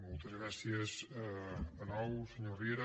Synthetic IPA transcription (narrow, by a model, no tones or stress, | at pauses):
mɔlˠt̪əzɣɾasiəs | ənɔwsəɲorieɾ